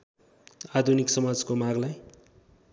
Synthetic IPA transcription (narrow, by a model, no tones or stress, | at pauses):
ad̪ʱuniksʌmad͡zkomaɡlaj